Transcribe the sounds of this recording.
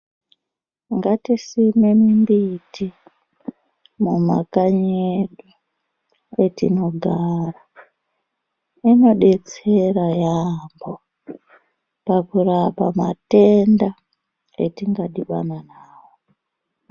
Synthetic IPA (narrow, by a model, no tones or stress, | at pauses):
ŋɡatisimemimbitʰi | muma̰kaɲeɗu | etḭno̞ɡʱara | ino̞ɗe̞t͡se̞rajambo | pakuɾapamate̞nda | ḛtiŋɡaɗiɓa̰nanaːwo